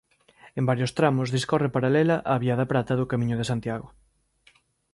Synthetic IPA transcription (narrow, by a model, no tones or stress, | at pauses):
embaɾjost̪ɾamʊzðiskɔrepaɾalɛlɐʔaːβiaðɐpɾat̪ɐðʊkamĩɲʊð̞esant̪jaɣo